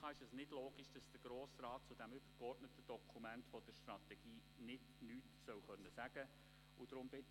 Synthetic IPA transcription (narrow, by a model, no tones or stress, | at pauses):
ɑːɪʃɛsnɪdloːɡ̥iʃd̥ɑsd̥əɡ̥ɾoːsrɑːt̚t͡sʊd̥æmʏb̥əɾkɔrdnətəd̥ɔkʰumæntfɔd̥əɾʃtrɑt̪ɛɡ̥iː | nɪd | nyːtsœwχœnːəsæɡ̥ə | ʊd̥̪ɾʊmbɪt